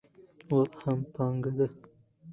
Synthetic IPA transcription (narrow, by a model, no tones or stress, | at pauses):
waɾhampɑŋɡad̪a